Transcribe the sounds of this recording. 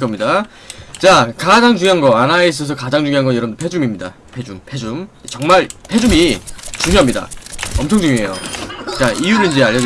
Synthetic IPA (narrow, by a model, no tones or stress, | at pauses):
k͈ʌmɲida | t͡ɕakad͡ʑaŋd͡ʑuŋiɦanɡʌanaes̬͈ʰʌs̬ʰʌkad͡ʑaŋd͡ʑuŋiɦanɡʌnjʌɾʌmdopʰe̞d͡ʑumimɲida̰ | pʰe̞d͡ʑumpʰe̞d͡ʑumet͡ɕʌŋmaɭpʰe̞d͡ʑumit͡ɕuɲjoɦamɲida̰ʌmt͡ɕʰʌŋd͡ʑuŋjoejo̰t͡ɕaʔijuɾɯɭind͡ʑe̞aʎːʌd